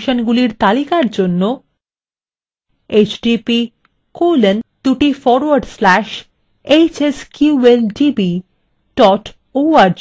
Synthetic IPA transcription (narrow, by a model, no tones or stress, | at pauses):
ʃonɡuliɾt̪alikaɾd͡ʑonːo | et͡ɕɖipi | kolend̪̥uʈifɔɾwaɾɖslæʃ | et͡ɕeskjuelɖibi | ɖɔʈ | oaɾ